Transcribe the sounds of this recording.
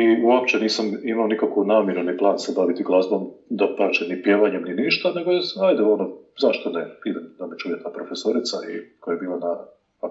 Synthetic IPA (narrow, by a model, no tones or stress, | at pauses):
iuop̚t͡ʃeniːsamimaonikakonaːmjeɾeniplˠaːnsebaʋit̪iɡlˠazbomd̪apat͡ʃenipjeːʋaɲemniniʃt̪ane̞ɡojasnaːjd̪ɛonozaʃt̪onepiːd̪amd̪amet͡ʃujet̪aːpɾofesoɾit̪saikojajebiːlˠana